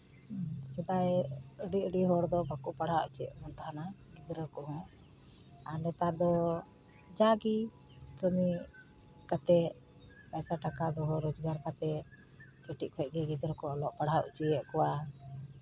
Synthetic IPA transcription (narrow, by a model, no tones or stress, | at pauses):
sɛd̪ajəɖiəɖiɦɔɾd̪ɔbakuʔpaɽɦaṵt͡ʃiɛ̰ʔmɔnt̪aɦana | ɡid̪ɾəkɔɦɔ̃ | anɛt̪ad̪ɔ | d͡ʒaɡi | t̪ɔmi | kat̪ɛ | pajsaʈakad̪ɔɦɔɾɔd͡ʒɡaɾkat̪ɛ | kiʈiʔ̚pʰɛc̚ɡɛɡid̪ɾəkɔɔlɔʔpaɽ̤aʔṵt͡ʃijɛʔkɔwa